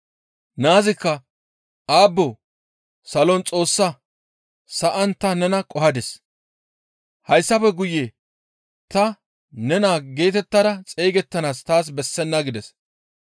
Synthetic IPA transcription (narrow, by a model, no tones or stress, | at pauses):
naːzɪkːɐ | ʔaːbːɔ | sɐlɔnt͡sʼo̞ːsːɐ | sɐʔɐnt̪ɐnɛnɐkʼɔɦɐd̪ɛs | hɐjsːɐpɛɡʊjːe | t̪ɐ | nɛnaːɡe̞ːt̪ɛt̪ːɐd̪ɐt͡sʼejɡɛt̪ːɐnaːst̪aːs̬bɛsːɛnːɐɡɪd̪ɛs